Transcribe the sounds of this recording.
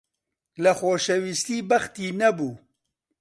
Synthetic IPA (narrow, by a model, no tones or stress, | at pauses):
lɐxoːʃɛwist̪iːbɐxt̪iːnɐbuː